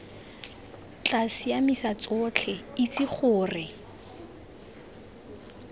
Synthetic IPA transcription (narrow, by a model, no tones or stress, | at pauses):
t͡ɬʼasijamɪsat͡sʼʊːt͡ɬʰɛit͡sʼɪχʰʊːrɪ